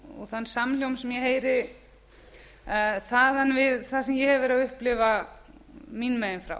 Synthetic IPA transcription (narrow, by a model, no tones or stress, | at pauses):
ɔ̰θanːsaml̥jowmsɛmjɛheːjɾɪ | θaðanvɪðθasɛmjɛhɛvɛɾɪaðʏhplɪva | minmɛːjɪnfɾa̰w